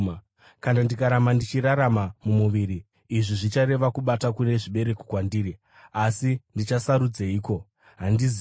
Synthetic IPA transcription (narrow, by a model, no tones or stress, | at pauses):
kanandikaɾamandit͡ʃiɾaɾamamumuʋiɾiː | ʐiʐit͡ʃaɾe̞ʋakuɓatakune̞ʐiɓe̞ɾe̞kokwandiːɾi | asindit͡ʃasaɾud͡zeiːko̞ | ɦandiz